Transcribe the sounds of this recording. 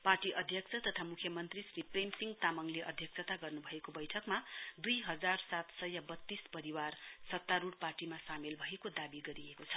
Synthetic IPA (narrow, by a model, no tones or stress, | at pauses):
parʈiʔʌd̪ʱjʌkt͡sʰʌt̪ʌt̪ʰamukʰjʌmʌnt̪risripremsiŋɡt̪amʌŋleʔʌd̪ʱjʌksʰʌt̪aɡʌrnubʱʌekobʌjʈʰʌkmad̪ujɦʌd͡zarsat̪sʌjʌbʌt̪ːispʌɾiwarsʌt̪ːaɾuɽparʈimasamelbʱʌɦekod̪abiɡʌɾiekot͡sʰʌ̥